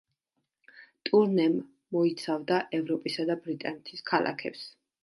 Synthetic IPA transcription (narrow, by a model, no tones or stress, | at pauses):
t̪ʼuɾnɛmː | ɔit̪sʰavd̪aʔɛvɾɔpʼisad̪abɾit̪ʼanɛt̪ʰiskʰalˠʔa̰kʰɛ̰ps